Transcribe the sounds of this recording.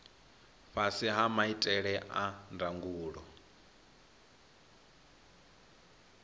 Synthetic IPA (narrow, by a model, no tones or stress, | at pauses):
ɸasiɦamaitʼɛɺɛʔandaŋɡuːɺɔ